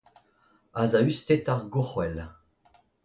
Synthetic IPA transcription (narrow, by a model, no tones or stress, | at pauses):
azayst̪et̪aʁɡuχwɛl